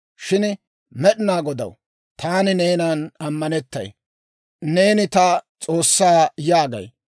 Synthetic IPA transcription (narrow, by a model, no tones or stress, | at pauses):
ʃɪn | mɛɗɪnaːɡɔd̪ɐ̰w | t̪ʰaːnɪne̞ːnaːnɐmːɐnɛt̪ːɐ̰j | ne̞ːnɪt̪ɐt͡sʼo̞ːsːaːjaːɡɐ̰j